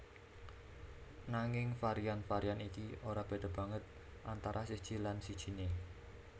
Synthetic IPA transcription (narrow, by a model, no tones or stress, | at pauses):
naŋɪŋfaɾijanfaɾianikiʔoɾab̥e̤d̪̥a̤b̥a̤ŋət̪̚ | ʔant̪aɾʔasid̥ʒ̥i̤lansid̥ʒ̥i̤ne